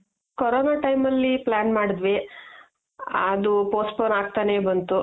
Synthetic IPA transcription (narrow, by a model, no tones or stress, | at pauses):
kɔɾoːnaːʈɐjmɐlːiplaːnmaːɽd̪ʋe | ɐd̪upoːsʈpoːnaːɡ̚t̪aːne̞ːbɐnt̪u